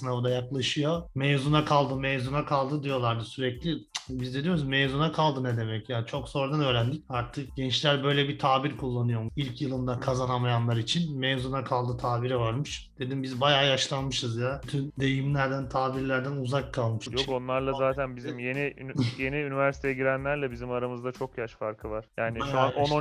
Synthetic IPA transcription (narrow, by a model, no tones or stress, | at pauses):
sɯnavd̪ajaklˠaʃɯjo̞mejzunakʰalˠd̪ɯmɛjzunakʰalˠd̪ɯd̪ijo̞lˠaɾd̪ɯsyɾɛclʲibizd̪ɛ̞d̪ijo̞ɾsumezunakʰalˠd̪ɯnɛd̪e̞mɛcjaːnt͡ʃʰo̞kzo̞ɾd̪anøːɾænd̪ic̚aɾt̪ʰɯk̚ɟɛnt͡ʃlʲæɾbø̞jlʲɛbit̪ʰaːbiɾkʰulˠːanɯjo̞ilʲcjɯlˠɯmd̪akʰazanamajanlˠaɾit͡ʃʰinmejzunakʰalˠd̪ɯt̪ʰaːbiɾɛvaɾmɯʃd̪̥e̞d̪imbizbajaːjaʃlˠanmɯʃɯzjayt̪ʰynd̪e̞jimlʲæɾd̪ænt̪ʰaːbiɾlʲæɾd̪ænuzakʰːalˠmɯʃjoko̞nlˠaɾlˠazaːt̪ʰænbizimje̞niy̰je̞niynivæɾsi̥t̪ʰejɛɟiɾænlʲæɾlʲɛbizimaɾamɯzd̪at͡ʃʰo̞kjaʃfaɾkʰɯvaɾ̥jaːniʃuaono